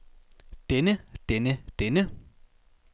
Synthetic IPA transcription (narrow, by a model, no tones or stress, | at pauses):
t̪enəht̪enəht̪enə